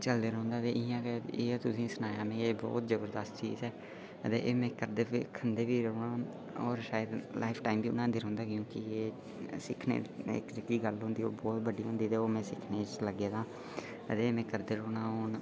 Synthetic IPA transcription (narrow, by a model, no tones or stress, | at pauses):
t͡ʃəld̪eːɾõːnd̪aːt̪eːʔɪãːkeeːt̪ʊsĩːsʊnaːjãːmẽːeːbɔ̰ːt̪d͡ʒəbəɾd̪əst̪t͡ʃḭːzɛː | ət̪ḛːʔeːmɛ̃ːkəɾd̪eːkʰːənd̪eːbiːɾəoɳãː | ɔːɾʃaːəd̪laːɪpʰʈaːimbiːʊnãːnd̪eːɾõːnd̪aːkjõːkieː | sɪkʰnḛːɪ̰kd͡ʒəkːiːɡəlɦõːnd̪iːo̰ːɾbɔːt̪bəɖiːɦõːnd̪iːt̪eːoːmɛ̃ːsɪkʰneːt͡ʃləɡeːd̪ãː | ət̪eːmɛ̃ːkəɾd̪eːɾoːnãːoːn